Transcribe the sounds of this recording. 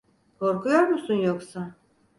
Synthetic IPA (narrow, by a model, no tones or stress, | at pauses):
kʰoɾkʰujoɾmusunjoksa